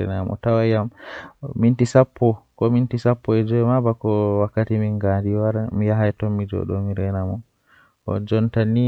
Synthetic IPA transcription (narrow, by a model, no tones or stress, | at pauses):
ɛ̰namɔ̰tawajammintisapʰːɔkɔmintisapːɔɛd͡ʒɔɛmabakɔwakːatimiŋɡandiwaɾmijaɦajtɔmːid͡ʒɔ̰ɗo̰miɾɛnamɔ | ʔɔ̰d͡ʒɔntani